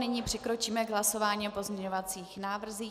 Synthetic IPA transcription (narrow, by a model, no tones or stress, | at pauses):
nɪɲipr̥ɛkɾo̞t͡ʃiːmɛɡɦlaso̞vaːɲiopo̞zmɲɲɛɲovat͡siːxnaːvr̩ziː